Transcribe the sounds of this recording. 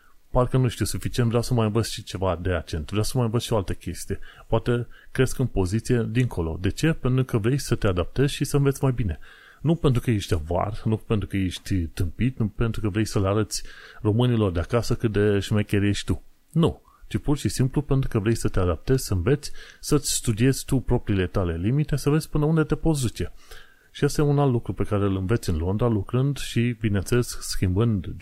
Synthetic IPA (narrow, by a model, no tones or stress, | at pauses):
parkənuʃt̪iusufit͡ʃient̪vɾeawsəmajɨnvəzʲʃit͡ʃe̞vad̪e̞ak̚t͡ʃe̞nt̪vɾeawsəmajɨnvət̪ʃioalt̪əkʲʰe̞st̪ije̞poat̪ekɾe̞skɨnpo̞zit̪sije̞d̪iŋkʰo̞lo̞̰d̪e̞t͡ʃe̞pent̪ɾukəvɾejsət̪e̞ad̪ap̚t̪e̞zʲʃisəɱve̞t̪sʲmajbine̞ | nupent̪ɾukəjeʃʲt̪ʲva̰rnupe̞nt̪ɾukəjeʃt̪ʲt̪ɨmpit̪nupe̞nt̪ɾukəvɾe̞jsəleaɾət̪sʲro̞mɨnilo̞rd̪eakasəkɨt̪̚d̪eʃimajkʲeɾje̞ʃt̪ʲt̪u | nu | t͡ʃipurʃisimplupe̞nt̪ɾukəvɾe̞jsət̪ead̪ap̚t̪e̞z̥ʲsəɨnve̞t̪sʲsət̪sʲst̪ud̪ie̞z̥ʲt̪upɾo̞pɾiːle̞t̪ale̞limit̪e̞səvezʲpɨnəund̪e̞t̪e̞pos̬d̪ut͡ʃe | ʃiast̪ajeunalt̪lukɾupe̞kaɾe̞ɨlɨnve̞t̪sʲɨnlo̞nd̪ɾalukɾɨnd̪ʃibinent̪seleskskʲimbɨnd̪